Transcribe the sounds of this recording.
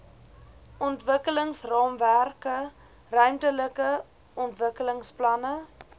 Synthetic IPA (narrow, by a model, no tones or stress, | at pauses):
ʔɔntvəkələŋsrɑːmværkə | rœɥmtələkə | ɔntvəkələŋsplɐnə